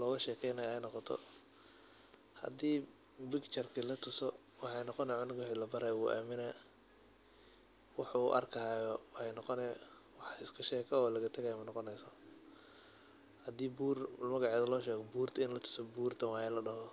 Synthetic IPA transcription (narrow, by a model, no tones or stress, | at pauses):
lɔːɣɐʃɛːkʰɛjnɐjːjnɔqɔt̪ʰɔ̰ | hɐ̰d̪iː | bɪɡt͡ʃɐrkʰɐlɐt̪ʰʊsɔ | wɑħɑjnɔqɔnɛjʕʊnɪɡʊħilɐbɐɾɐjuːʔa̰ːmɪna | wɑħuʔɐ̰rkʰɐɦajɔwɛjnɔqɔnɛj | wɑħɪskʰɐʃɛːkʰɛɔːlɐɣɐt̪ʰɐɣajmɐnɔqɔnɛjsɔ | hɐd̪iːbuːrmɐɣɑʕeːðɐlɔːʃɛːɣɔbuːrt̪ʰɐɪnlɐt̪ʰʊ̥sɔbuːrt̪ʰɐwɑʕɛlɐɖɐɦɔ